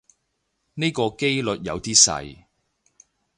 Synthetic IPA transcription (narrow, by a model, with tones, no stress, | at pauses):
ne˥jkɔː˧ke˥jlɵ˨t̚jɐ̰˨˧wt̪iː˥sɐ̰˧j